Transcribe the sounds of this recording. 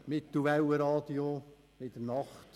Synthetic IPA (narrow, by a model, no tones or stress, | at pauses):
mɪt̪ːulʋæwəɾɑːd̪io | ɪd̪ənɑχt̪